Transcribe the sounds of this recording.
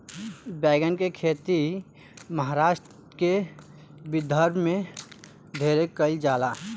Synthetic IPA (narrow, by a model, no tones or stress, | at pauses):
bɛːɡənkekʰeːt̪i | məɦaːɾaːʃʈ | ke | bɪd̪ʱəɾbʱmẽ | d̪ʱeːɾekəld͡ʒaːlaː